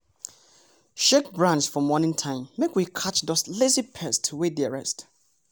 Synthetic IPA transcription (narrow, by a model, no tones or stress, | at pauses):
ʃɛk̚bɹãnsfɔmɔnɪ̃ŋtʰãɪ̃mːekwikʰat͡ʃdɔslezipʰɛstʰəwediaɹɛst